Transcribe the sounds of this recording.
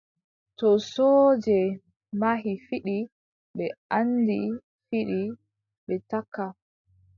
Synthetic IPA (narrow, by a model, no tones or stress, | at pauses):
tɔsɔːd͡ʒɛ | maɦifiɗi | ɓɛʔandi | fiɗi | ɓɛtakːa